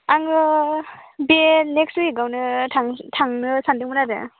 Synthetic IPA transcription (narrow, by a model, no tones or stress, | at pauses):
aŋɯ | benekstuiɡawnɯtʰaŋtʰaŋnɯsandɯŋmɯnadɯ̰